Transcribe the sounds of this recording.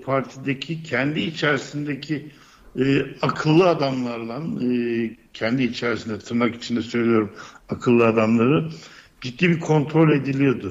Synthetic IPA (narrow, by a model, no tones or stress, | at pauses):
pʰaɾt̪ʰid̪ecʰicʰɛnd̪iːt͡ʃʰæɾisind̪ecʰiː | akʰɯlˠːɯad̪amlˠaɾd̪ˠanː | cʰɛnd̪iːt͡ʃʰæɾisind̪ɛat̪ʰɯɾmaki̥t͡ʃʰind̪ɛsø̞jlʲijo̞ɾumakʰɯlˠːɯad̪amlˠaɾɯ | d͡ʒit̪ːibikʰo̞nt̪ʰɾo̞lʲe̞d̪ilʲijod̪ʊ